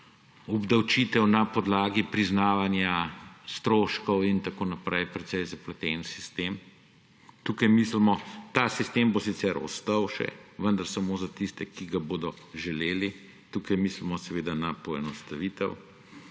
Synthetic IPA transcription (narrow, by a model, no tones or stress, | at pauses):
ɔbd̪awt͡ʃit̪ɛwnapɔd̪laːɡipɾiznaːʋanjast̪ɾoːʃkɔwint̪akoːnapɾʔɛjpɾɛt̪sɛjzaplɛt̪ɛnsi̥st̪em | t̪uːkajmislmɔt̪aːsist̪embosit̪sɛɾɔ̰st̪ɐwʃɛ̰ʋənd̪ɐɾsamoːzat̪ist̪ɛkiɡaboːd̪ɔ | ʒɛleːli | t̪uːkajmislmɔsɛʋeːd̪anapɔɛnɔst̪aʋiːt̪ɛw